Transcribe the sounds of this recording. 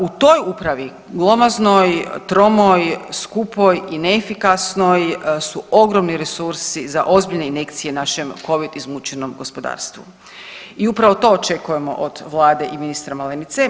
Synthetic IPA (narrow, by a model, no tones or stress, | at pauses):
ut̪o̞jupɾaʋi | ɡlˠo̞mazno̞jt̪ɾo̞mojskupo̞jineːfikasno̞jsuo̞ɡɾomniɾe̞suɾsizaʔo̞zbiʎne̞ine̞kt̪sije̞naʃe̞mko̞ʋid̪izmut͡ʃeno̞mɡo̞spo̞d̪a̰ːɾst̪ʋṵ | iupɾaʋo̞t̪o̞ːt͡ʃe̞kuje̞mo̞̰ʔod̪̥ʋlˠaːd̪e̞ʔiminist̪ɾamalenit̪se